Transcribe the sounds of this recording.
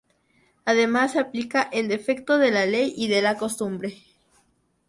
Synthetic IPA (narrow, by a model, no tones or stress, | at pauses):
aðe̞masːeaplikaʔend̪e̞fe̞k̚t̪o̞ðe̞lale̞jiðe̞lako̞st̪umbɾe̞